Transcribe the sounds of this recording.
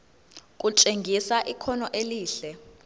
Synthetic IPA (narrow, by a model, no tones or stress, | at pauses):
k̬ʼut͡ʃʼeŋɡʱisaʔikʰɔnɔʔeliːɬɛ